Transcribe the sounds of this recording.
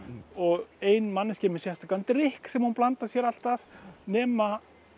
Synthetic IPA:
ɔɣejnmanːɪscɛːmʏ̥sjɛst̪akant̪ɾɪhksɛmhunplant̪ḁsjɛɾal̥t̪avnɛːma

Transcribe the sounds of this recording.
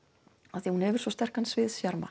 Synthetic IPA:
aθihunhɛvʏɾ̥svɔst̪ɛr̥kansvɪðsjaɾma̰

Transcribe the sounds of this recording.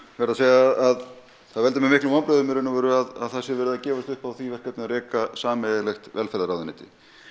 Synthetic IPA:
vɛɾðaseːjaað | θaðvɛlt̪ɪmɛmɪhklʏmɔnpɾœðʏmɪɾɪnːʏvɛɾʏaða̰ðθɛsɪvɛːɾʏðacɛːvast̪ʏhpawθvivɛɾ̥kat̪nɪnaɾɛːkasaːmɛlɛxt̪vɛlfɛɾðaɾawðɪnɛːt̪ɪ̰

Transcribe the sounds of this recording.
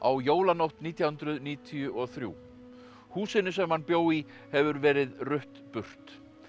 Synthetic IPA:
a̰wjoːwlanowht̪niːt̪ʰjawhʏnt̪ɾʏniːt̪ʰijʏʔɔθɾjṵː | huːsɪnʏsɛmhanpjoːwi | hɛvʏɾvɛːɾɪðrʏht̪pʏr̥t̪

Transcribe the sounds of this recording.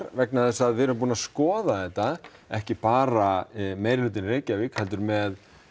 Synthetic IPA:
ɾvɛknaθɛsːaðvɪɾmpuːnaskɔːðaðɛht̪ːaɛhcɪpaːɾamejɾɪlʏːt̪ɪnreːjcavɪkhɛlt̪ʏɾmɛð

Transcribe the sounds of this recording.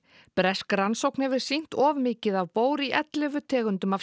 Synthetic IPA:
pɾɛskɾansowknɛvɪɾ̥sin̥t̪ɔːvmɪːcɪðavpoːwɾiʔɛt̪lɪvʏt̪ʰɛːɣʏnt̪ʏma

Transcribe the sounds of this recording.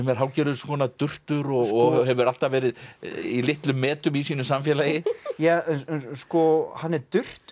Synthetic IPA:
mɛɾ̥ɦaːwcɛːɾʏðskʰɔːnat̪ʏr̥t̪ʏɾɔɔɦɛvʏɾal̥t̪avɛːɾɪðilɪht̪lʏmːɛːt̪ʏmisiːnʏsamfjɛlajɪjaːskɔhanːɛɾt̪ʏr̥t̪

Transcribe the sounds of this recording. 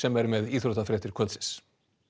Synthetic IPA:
ɛmɛɾmɛðiːθɾɔt̪afɾɛːt̪ɪɾ̥kʰœlsɪ̥s

